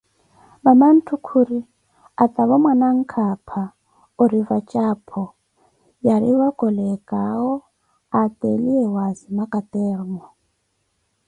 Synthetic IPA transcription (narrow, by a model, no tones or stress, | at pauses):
maman̩tʰukʰuɾi | at̪ʼaβɔmwanaŋ̩kʰapʰa | oɾivat͡ʃʼapʰɔ | jaɾiβakʼɔlɛkʼaɔ | at̪ʼeliɛwazimakʼat̪ʼɛrmɔ